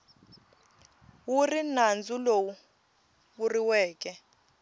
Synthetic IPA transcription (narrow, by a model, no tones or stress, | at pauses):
wurinand͡zulowu | βuriwɛːkɛ